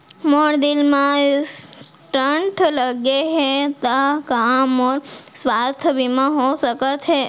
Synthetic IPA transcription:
mɔɽd̪ɪlmãsʈɾəɳʈʰləɡeɦet̪akamɔɾsʋast̪ʰəbimãɦosəkətʰe

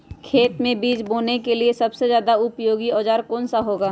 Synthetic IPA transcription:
kʰeːt̪mẽbiːd͡ʒboːnekeliesɐbsezjaːd̪aʊpjoːɡiɔːd͡ʒaːɾkɔːnsaɦoːɡaː

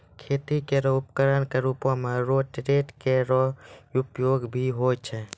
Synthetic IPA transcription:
kʰeːt̪ikeɾɔʊp̚kəɾənkeɾuːpõmẽɾoːʈɾeːʈkeɾɔʊpjoːɡbʱiɦoːt͡ʃʰɛ

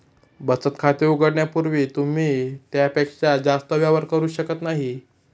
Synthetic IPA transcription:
bət͡sət̪kʰat̪iuɡəɽɳjapuɾʋiːt̪um̤iːt̪japekad͡zast̪əʋjaʋəɾkəɾuːɕəkət̪naɦi

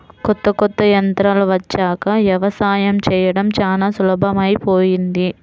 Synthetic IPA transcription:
kɔt̪ːɐkɔt̪ːɐjɐnt̪ɾaːlɐʋɐt͡ʃːaːkɐʋjɐʋɐsaːjɐmt͡ʃɛːjɐɽɐmt͡ʃaːnaːsulɐbʱɐmɐjpoːjind̪i

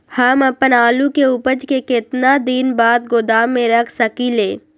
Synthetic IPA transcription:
hamɐpənaːlukeʊpəd͡ʒkekɪt̪nad̪inbaːd̪̚ɡod̪aːmːẽɾɐkʰsəkileː

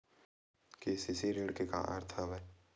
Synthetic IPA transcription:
kesisiɾeːɽkeka̰ʔa̰ːɾt̪ʰabɛ

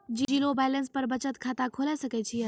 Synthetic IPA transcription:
d͡ʒid͡ʒilobaːjlənspɐɾbɐt͡ʃət̪kʰaːt̪akʰoːlasɐket͡ʃʰi

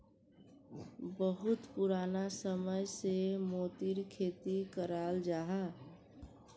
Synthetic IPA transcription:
bəɦʊt̪puɾaːnasəməjsemoːt̪iɾkʰeːt̪ikəɾaːld͡ʒaːɦa

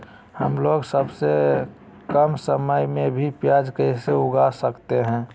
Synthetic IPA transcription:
həmloɡsəbse | kəmsəməjmẽbʱipjad͡ʒkəɪseʊɡasəkt̪eɦɛ̃ː

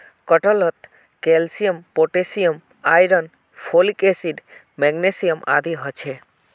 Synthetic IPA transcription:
kɔʈɔlɔt̪ | kelsijəmpoʈesijəm | ajɾən | pʰolikesiɖ | mɛɡnesijəmʔa̰d̪iɦɔt͡ʃʰe

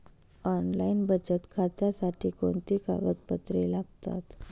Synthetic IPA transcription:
ɔnlainbəd͡ʑət̪kʰat̪asaʈʰiːkoɳt̪ika̰ʋət̪̚pət̪ɾelaɡt̪a̰t̪

